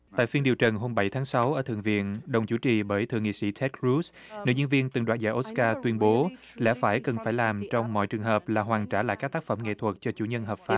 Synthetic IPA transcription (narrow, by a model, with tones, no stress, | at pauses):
t̪a̰ː˧˨jfi˧ənɗi˨˩əwt͡ɕə˨˩nɦo˧mɓa˧˩jt̪ʰaː˨˦ŋsa˨˦wʔəː˧˩t̪ʰɨ̰˧˨əŋvḭ˧˨ənɗə˨˩wŋ͡mt͡ɕu˧˩˦t͡ɕi˨˩ɓəː˨˦jt̪ʰɨ̰˧˨ŋḭ˧˨sḭ˧˥t͡ɕʰɛ˦˥t̚kɹu˦˥s | nɨ̰˧˨˦ɲə˧nvi˧ənt̪ɨ˨˩ŋɗwaː˨˩n̚zaː˧˩ʔo˦˥kaː˧t̪wi˧ənɓo˨˦lɛ̰˧˥faː˧˩jkə˨˩nfaː˧˩jlaː˨˩mt͡ɕɔ˧wŋ͡mmɔ̰˧˨jt͡ɕɨ˨˩əŋɦəː˨˩p̚laː˨˩ɦwaː˨˩ŋt͡ɕaː˧˩la̰ː˧˨jkaː˦˥k̚t̪aː˦˥k̚fə˧˩mŋḛ˧˨t̪ʰwə˨˩t̚t͡ɕɔ˧t͡ɕu˧˩ɲə˧nɦəː˨˩p̚faː˦˥p̚